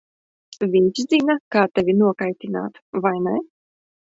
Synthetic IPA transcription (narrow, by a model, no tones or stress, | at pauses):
vʲiɲʲt͡ʃd̪ziːnakaːt̪ɛvʲinuɔkajt̪ʲina̰ːt̪vajnɛ